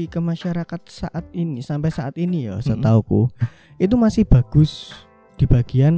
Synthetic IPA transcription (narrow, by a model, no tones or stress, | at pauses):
ikəmaʃaɾakat̪̚saʔat̪̚inisampɛsaʔat̪inijɔsət̪auku | ʔit̪umasɪhb̥a̤ɡ̥ʊs | d̪̥i̤b̥a̤ɡ̥ian